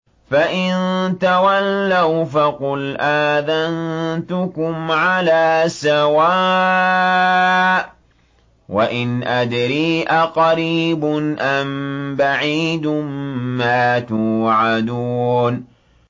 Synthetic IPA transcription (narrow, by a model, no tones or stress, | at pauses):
faʔɪnt̪awalːawfaqʊlʔaːðant̪ʊkʊmʕalaːsawaː | waʔɪnʔad̪ɾiːʔaqɑɾiːbʊnʔambaʕiːd̪mːaːt̪uʕad̪uːn